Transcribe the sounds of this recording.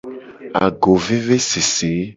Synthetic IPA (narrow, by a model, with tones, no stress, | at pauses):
a̰˨ɡo˨ve˦ve˦se˨se˨˦